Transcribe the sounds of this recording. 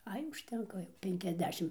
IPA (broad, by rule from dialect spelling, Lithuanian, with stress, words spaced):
ˈɐɪ ʊʃʲˈtʲɛŋkɐ jɛʊ pʲɛŋʲkʲɛzʲˈdʲæːʃʲɪm